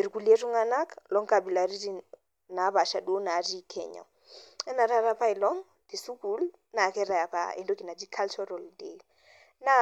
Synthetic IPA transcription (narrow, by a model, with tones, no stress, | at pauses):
i˨ɾku˨le˦tu˦ŋa˦na˦klɔ˦ŋka˨bi˨la˨ɾi˦ɾi | na˨˦βa˨ʃa˨ɗo˦na˨˦ɾi˦kʰɛ̰˨ɲɔ̰˨ | ɛ˦na˨ɾa˦ɾa˦pa˦i˨lɔ˦ŋ | ti˨su˦ku˦l | na˨kɛ˦ɾa˨ja˨pa̰ḛ˨ndo˦ki˨na˨d͡ʒi˦kʰa˦lt͡ʃɔ˦ɾɔ˨ldḛl | na˦